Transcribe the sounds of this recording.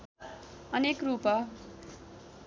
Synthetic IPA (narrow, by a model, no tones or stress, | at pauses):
ʌnekrupʌ